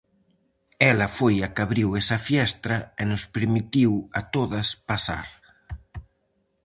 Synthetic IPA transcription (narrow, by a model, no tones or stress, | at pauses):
ɛlɐfojakaβɾiwɛsɐfjɛst̪ɾɐenʊspeɾmit̪iwat̪oðɐspasa̰ɾ